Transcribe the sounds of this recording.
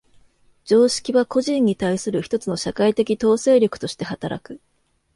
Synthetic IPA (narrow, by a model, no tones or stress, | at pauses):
d͡ʑo̞ːɕi̥kʲiβako̞ʑĩɲ̟ːit̪aisɨɾɯ̟çi̥t̪o̞t͡sɨno̞ɕakait̪e̞kʲit̪o̞ːse̞ːɾʲokɯ̟̥t̪o̞ɕi̥t̪e̞ɦat̪aɾa̰kɯ̟